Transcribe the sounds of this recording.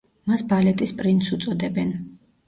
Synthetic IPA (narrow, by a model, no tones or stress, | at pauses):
masbalɛt̪ʼispʼɾint̪sut̪sʼɔd̪ɛbɛn